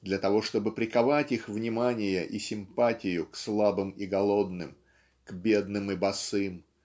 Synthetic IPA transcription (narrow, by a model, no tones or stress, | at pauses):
d̪lʲɐt̪ɐvo̞ʂt̪o̞bɨpɾʲɪkɐvatʲixvnʲɪmanʲɪjəʔisʲɪmpatʲɪjʊkslˠabɨmɪɡɐlˠo̞d̪nɨm | ɡ̥bʲe̞d̪nɨmɨbɐsɨm